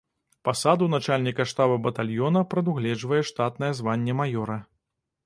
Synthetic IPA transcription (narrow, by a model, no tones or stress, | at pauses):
pasad̪unat͡ʂalʲnʲikɐʂt̪abɐbɐt̪alʲjɔnɐpɾɐd̪uɣlʲɛd͡ʐvɐjɛʂt̪at̪nɐjɛzvanʲːɛmajɔɾɐ